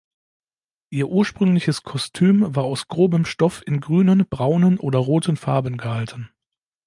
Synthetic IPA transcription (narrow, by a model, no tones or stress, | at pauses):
ʔiːɐʔuːɐʃpʁ̥ʏŋlɪçəskʰɔstʰyːmvaːɐaʊsɡ̥ʁoːbəmʃtɔfɪnɡʁyːnənb̥ʁaʊnənʔoːdɐʁoːtʰənfaɐbənɡəhaltən̩